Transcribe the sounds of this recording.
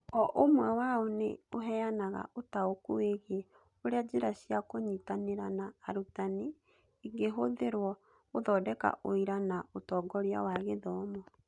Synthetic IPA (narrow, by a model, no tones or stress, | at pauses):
ɔʔomwɛwaonḛoɦɛanaɣa̰ʔotaokueɣe | oɾead͡ʑeɾaɕiakoɲitaneɾanaːɾutani | iŋɡeɦoðeɾwɔ | oðɔdɛka̰ʔoiɾanaotɔɡɔɾia̰waɣeðɔːmɔ